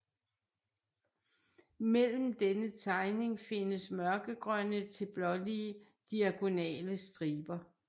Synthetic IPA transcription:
mel̰m̩d̥enət͡sʰɑ̈ɪne̝ŋfe̝nəsmɶɐɡ̥əɡ̥ʁɶnət͡sʰe̝lb̥lɒ̽liə | d̥iæɡ̥o̝nɛ̰ːləsd̥ʁiːb̥ɐ

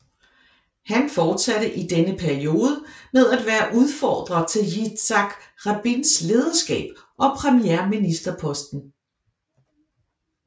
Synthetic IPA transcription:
hænfɒːd̥sæɾ̥əʔid̥enəpʰæɐio̝ːð̞ˠəmeðˠæd̥ʋæːɐʔuð̞ˠfɒ̰ːd̥ʁɐt͡sʰe̝lji̥sɑ̈ɡ̥ʁɑb̥insle̝ːð̞ˠɐsɡ̥ɛ̰ːb̥ | ʔɒ̽pʰʁɛmieɐminisd̥ɐpʰɒ̽sd̥n̩

